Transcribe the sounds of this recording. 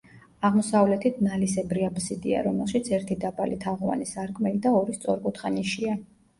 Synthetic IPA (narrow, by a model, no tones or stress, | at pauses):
aʁmɔsavlɛt̪ʰit̪̚ʰnalisɛbɾiabsid̪ia̰ɾɔmɛlˠʃit̪sʰɛɾt̪ʰid̪abalit̪ʰaʁɔva̰nisaɾɡmɛid̪aɔɾist̪sʼɔɾkʼut̪ʰχaniʃia